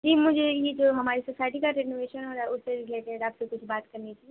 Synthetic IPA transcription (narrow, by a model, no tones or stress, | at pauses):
d͡ʒiːmʊd͡ʒʱejed͡ʒoːɦɐmaːɾisosaːɪʈikaɾɪnoʋeːʃənɔːɾʊsːeɾɪleːʈeɖaːpsekʊt͡ʃʰbaːt̪kɐɾnit͡ʃie